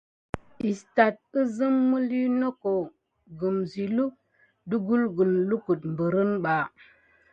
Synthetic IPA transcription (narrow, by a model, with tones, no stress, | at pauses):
i˨sta˨t̚ə˦zɨ˦mːə˦li˦no˦ko˨ | ɡu˨mzi˨lu˦k̚ | du˦ɡu˦lɡu˨llu˦ku˨t̚m˨bə˨ɾə˦nɓa˨